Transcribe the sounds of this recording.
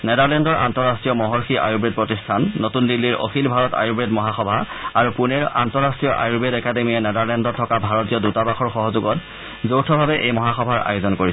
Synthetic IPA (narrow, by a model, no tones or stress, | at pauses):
nɛdaɹlɛndɔɹa̰ntɔɹastɹijɔmɔɦɔɹxiʔa̰jubɹed̚pɹotistʰanːotundilːiɹʔo̰xʰilbʱaɹɔta̰jubɹedmɔɦaxɔbʱa | aɹupunɛɹa̰ntɔɹastɹijɔʔa̰jubedɛkademiɛnɛdaɹlɛndɔtʰːɔkabʱaɹɔtijɔdutabaxʰɔɹxɔɦɔzuɡɔt | zowtʰɔbʱabɛʔejmɔɦaxɔbʱaɹa̰jozɔnkoɹisɛ